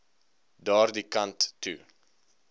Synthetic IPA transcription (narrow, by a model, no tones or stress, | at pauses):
dɑːrdikɐntːṵ